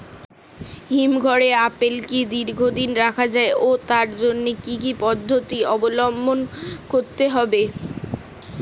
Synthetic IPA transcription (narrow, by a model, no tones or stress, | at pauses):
ɦimɡʱɔɾeapelkid̪iɾɡʱod̪inɾakʰad͡ʑaeot̪aɾd͡ʑonːekikipɔd̪ʱːot̪iɔbolɔmbʱonkoɾt̪eɦɔbe